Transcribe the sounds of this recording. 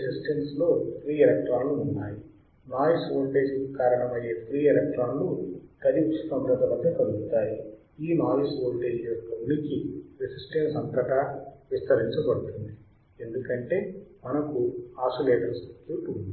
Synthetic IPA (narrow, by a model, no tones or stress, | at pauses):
sisʈenslo̞ːpʰɾiːelɛk̚ʈɾaːnluːnːaːji | naːlisoːɳʈe̞ːd͡ʒkikaːɾɐɳɐmɐje̞ːpʰɾiːelɛk̚ʈɾaːnluk̪ɐɾiut͡ʃɐt̪ɐmɾɐd̪ɐbɐd̪ʱːɐkɐluɡut̪aːji | iːnaːlisʋoːɳʈe̞ːd͡ʒjɔkːɐnikiɾesisʈɐnsɐnt̪ɐʈaʋist̪ɐɾiɲt͡ʃɐbɐɽut̪und̪i | e̞nd̪ukɐɳʈe̞ːmɐnɐkuaːsoleːʈɐɾsekjuːʈund̪i